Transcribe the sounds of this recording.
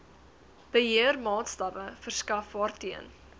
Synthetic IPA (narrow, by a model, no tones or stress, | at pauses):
b̥əɦiərmɑːtstɐpəfərskɐfɑːrtiə̰n